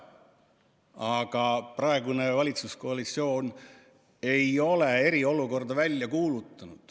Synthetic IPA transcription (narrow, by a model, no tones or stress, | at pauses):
ɑɡ̥ɑprɑe̞ɡune̞vɑlʲit̪susko̞ɑlit̪sio̞ːn | e̞jo̞le̞e̞ɾio̞luko̞rd̪ɑvælʲːjɑkuːlut̪ːˑɑnud̪̥